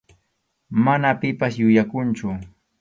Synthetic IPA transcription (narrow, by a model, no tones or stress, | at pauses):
manapɪpasjʊjakʊnt͡ʃʊ